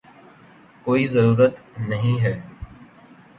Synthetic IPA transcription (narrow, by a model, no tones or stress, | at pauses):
koːiːzəɾuːɾət̪nəɦĩːɦɛː